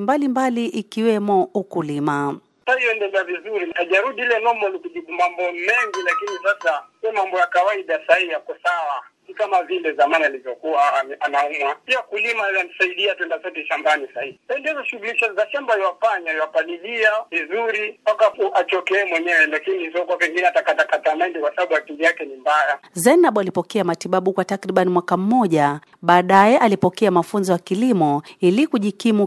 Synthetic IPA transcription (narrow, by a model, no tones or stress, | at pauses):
mbalimbaliʔikiwɛmɔukulima | taijɔɛndɛlɛavizuɾiniaʄaɾuɗiilɛnɔmɔlikuʄiɓumambɔmɛŋɡilakinisasasiɔmambɔjakawaiɗasahiijakɔsawasikamavindɛzamanialivjɔkuwaɛanaumwapiakulimajanisaiɗiatwɛndasɔt̬ɛʃambanisaihisaindiɛzɔʃuɣuliʃasasaʃambaiwafaɲaiwafaliliavizuɾipakafuat͡ʃɔkɛːmwɛɲɛwɛlakinizɔkuwapɛŋɡinɛatakatakatamaɛndikwasaɓaɓuatilijakɛnimbajazɛnaɓalipɔkɛamatiɓaɓukwatakɾiɓanimwakam̩mːɔʄa | ɓaːɗajɛʔalipɔkɛamafunzɔjakilimɔilikuʄikimu